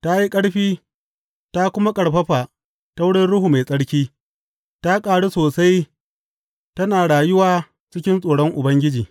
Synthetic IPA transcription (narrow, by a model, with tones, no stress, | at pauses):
ta˦ji˦kʼɐ˦ɽɸiː˦ | ta˦kʷʊ˦ma˦kʼɐ˨ɽɸɐ˦ɸa˨ | ta˦wʊ˦ɽɪ˦nɽʊ˦huː˨ma˨sʼɐ˦ɽkʲiː˦ | ta˦kʼaː˨ɽu˦soː˨sa˦j | tɐ˦naː˨ɽaː˨jʊ˦waː˦ | t͡ʃɪ˦kʲɪ˦nsʼoː˨ɽɔ˦ŋʔʊ˨bɐ˦ŋɡʲɪ˦d͡ʒiː˨